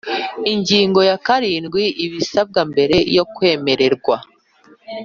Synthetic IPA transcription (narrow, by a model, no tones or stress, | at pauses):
iɲɟiːŋɡo̞jakaɾiːnɡwiʔiβisab̚ɡambe̞ɾe̞jo̞kwe̞ːme̞ɾe̞ɾɡwa